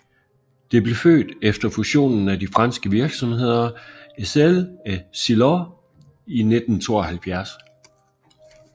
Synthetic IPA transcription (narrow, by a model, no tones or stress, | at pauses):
d̥e̝b̥le̝fø̰ːd̥efd̥ɐfuɕo̝̰ːnn̩ædifʁɑ̈nsɡ̥əʋiɐɡ̥sɒ̽mhe̝ð̞̰ˠɐeselæsilɒ | ined̥n̩t͡sʰo̝̰ːɒhælfjæɐs